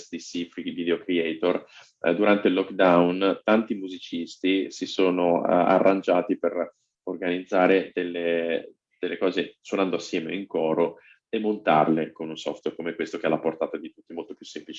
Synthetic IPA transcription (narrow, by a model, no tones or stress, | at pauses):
st̪isifɾiɡvid̪eokɾiɛjt̪or | d̪uɾant̪eilːɔkːd̪awnt̪ant̪imuzit͡ʃist̪isisoːno̰a̰rːʔand͡ʒaːt̪iper | orɡanid̪zːaːɾed̪elːe | d̪̥elːekɔːzeswonand̪oasːjɛːmḛiŋkɔːɾo | emːont̪a̰rlekonunsɔ̰ft̪werkomɛkwest̪okealaport̪aːt̪ad̪it̪ut̪ːimolt̪opju̥sːemplit͡ʃi